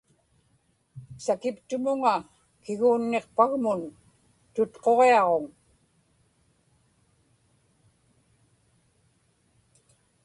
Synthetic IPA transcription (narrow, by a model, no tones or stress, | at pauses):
sakɪpt̪ʊmʊŋa | kɪɣuːnːe̞qpaɣmʊn | t̪ʊt̪qo̞ʁe̞ɑʁo̞ŋ